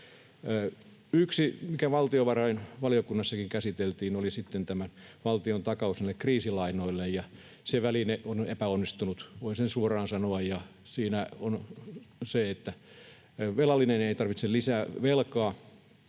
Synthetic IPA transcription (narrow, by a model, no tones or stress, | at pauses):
yksimikæʋɑlt̪ioʋɑrɑinʋɑliokunːɑsːɑkiŋkæsit̪elt̪iːnolisit̪ːent̪æmænʋɑlt̪iont̪ɑkɑusnælːekriːsilɑinoilːejjɑ | seʋælineʔonepæonːist̪unut̪ʋoisensuorɑːnsɑnoɑjjɑ | siːnæon | seet̪ːæ | ʋelɑlːˑineneit̪ɑrʋit̪selisæːʋelkɑː